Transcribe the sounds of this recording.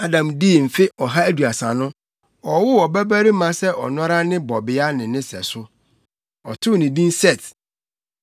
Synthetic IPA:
a˦dã˨mdi˦˨m̩˨fɪ˦ɔ˨ɦa˦æ˦du˨a˨sã˨nʊ̃˦ | ɔ˨wʊ˦ɔ˨bæ˦bæ˦ɾi˦mã˨˦sɛ˦ɔ̰˨nɔ̃˦ɾa˦nɪ̃˦bɔ˨bɪ˨a˦nɪ̃˨nɪ̃˦sɛ̰˨sʊ˦ | ɔ˨tʰʊ˦nĩ˨bĩ˦n˦sɛ˦˨t

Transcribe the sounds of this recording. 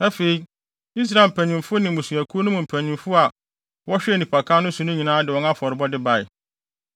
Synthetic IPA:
æ˦fe˨i˦ | i˦s̬ɾa˨m̩˨pʰæ̃˨ɲĩ˨mfʊ˦nɪ̃˨mũ˨su˨æ˨kʰu˦o˦nʊ̃˦mũ˨m̩˨pʰæ̃˨ɲĩ˨mfʊ˦a˨ | wɔ˦ɕᶣɪ˦ɛ˨nĩ˨pʰa˨kʰaː˦nʊ̃˦sũ˨nʊ̃˦ɲĩ˨nãː˦dɪ˨wɔ̃˨˦nã˦fɔ˨ɾɪ˨bɔ˦dɪ˦ba˨ɪ̰˨

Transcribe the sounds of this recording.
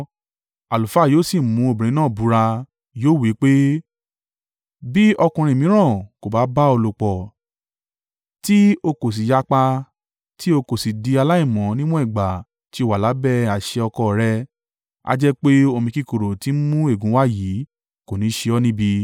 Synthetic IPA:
a˨lu˨fa˨˦˨joː˦˨si˦˨mũ˨˦o˧˨bĩ˨ĩ˨˦nãː˦˨bu˨˦ɾa˧ | joː˦˨wi˨˦k͡pe˦ | bi˦ɔ˧kũ˧ɾ̃ĩ˧˨mĩ˨˦ɾ̃ã˦˨ko˨ba˨˦ba˦o˧lo˨k͡pɔ˨ | ti˦o˧ko˨s̬i˨ja˧˦k͡pa˧ | ti˦o˧ko˨si˨di˧a˧la˦ĩ˦˨mɔ̃˨˦nĩ˦mɔ̃˦i˦˨ɡ͡ba˨ | ti˧˦o˦˨wa˨la˨˦bɛ˦˨a˨ʃe˧ɔ˧kɔ˧˨ɾɛ˦ | a̰˦d͡ʒɛ˦k͡pe˦o˧mĩ˧ki˦ko˨ɾo˨ti˨˦mũ˦e˦˨ɡũ˨˦wa˦˨ji˨˦ | ko˨nĩ˨˦ʃe˧ɔ˦nĩ˦bi˧

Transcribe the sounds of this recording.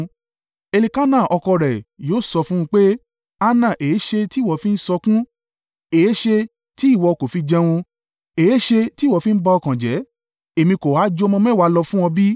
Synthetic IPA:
e˧li˧ka˦nã˦˨ʔɔ˧kɔ˧ɾɛ˨joː˨˦sɔ˧fũ˦ũ˧k͡pe˦ | a˧nã˦˨ʔe˨˦ʃe˧ti˦˨wɔ˨fĩ˦n̩˦sɔ˧kũ˦ | e˨e˦ʃe˧ | ti˨˦˨wɔ˧ko˨fi˧d͡ʒɛ˧w̃ɔ̃˧ | e˨e˦ʃe˧ti˦wɔ˨˧˨fĩ˦n̩˦ba˧ɔ˧kã˨d͡ʒɛ˨˦ | e˨mĩ˧ko˨waː˨˦d͡ʒo˧˦˧mɔ̃˧mɛ̃˦˨wa˨˧˦lɔ˧fũ˦wɔ̃˧bi˦

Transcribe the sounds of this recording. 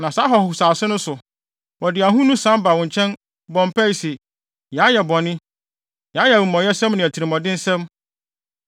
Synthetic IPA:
nã˨saː˨˦ɦɔ˨hʊ˨ʊ˨saː˨sɪ˦nʊ̃˦sʊ˨ | wɔ˨dɪ˨a˨ɦũ˦nũ˦sã˦mba˨wɔ̃˨ɲ˨t͡ɕʰɛ̃˦n | bɔ̃˨m˨pʰæ˦i˨sɛ˨ | ja˨˦jɛ˨bɔ̃˨nɪ̃˦ | ja˨˦jɛ˨wʊ̃˨mɔ̃˨jɛ˦sɛ̃˦mnɪ̃˨æ˨tʰi˨ɾɪ̃˨mɔ̃˨dɪ̃˦n̩˦sɛ̃˦m

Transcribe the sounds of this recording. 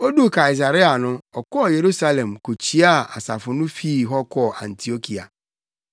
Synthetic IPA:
o˦du˦ka˨i˨s̬a˨ɾi˦a˨nʊ̃˦ɔ˨kɔ˦˨je˨ɾu˦sa˦lẽ˨mko˨t͡ɕʰi˨˦a˦a̰˨sa̰˨fʊ˨nʊ̃˦fi˦˨ɦɔ˦kʰɔ˦˨ʔã̰˨n˨tʰi˨o˦kʰi˨a̰˨

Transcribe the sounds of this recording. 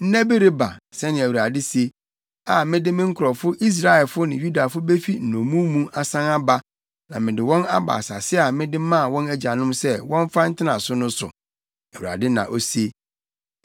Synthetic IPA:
n̩˦næ̃˦be˦ɾe˦ba̰˨sɛ˦nɪ̃˨æ˨wu˨ɾa˨dɪ˦se˦ | a˨mɪ̃˦dɪ˦mɪ̃˦ŋ̩˦kʰʊ˨ɾɔ˨fʊ˦ʔi˦s̬ɾa˦ɛ˨lfʊ˦nɪ̃˨ju˦da˨fʊ˦be˦fi˦n̩˨nõ˨mũ˦mũ˦ʔa˨sã˦na˦ba˦ | nã̰˨mɪ̃˨dɪ˨wɔ̃˦na˦ba̰ː˨sa˨sɪ˦a˨mɪ̃˦dɪ˦mã˦˨wɔ̃˦næ˦d͡ʑa˨nʊ̃˦msɛ˦wɔ̃˦ɱ˦fa˦n̩˦tʰɪ˦nã̰˨sʊ˦nʊ̃˦sʊ̰˨ | æ˨wu˨ɾa̰˨dɪ˦nã̰˨ʔo˦se˦

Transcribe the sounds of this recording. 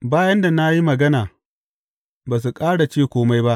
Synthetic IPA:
baː˦jɐ˦nda˨na˦ji˦mɐ˨ɡɐ˦naː˨ | baː˨s̬u˨kʼaː˦ɽa˨t͡ʃeː˦˨kʷoː˦ma˦jba˦ʔ

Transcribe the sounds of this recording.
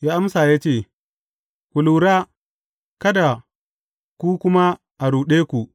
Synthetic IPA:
jaː˦ʔa˦msaː˨ja˦t͡ʃeː˦˨ | kʷʊ˨lu˨ɾaː˦ | kɐ˦da˨ | kʷu˦kʷʊ˦ma˦ | ʔa˨ɾuː˨ɗeː˦kʷu˨ʔ

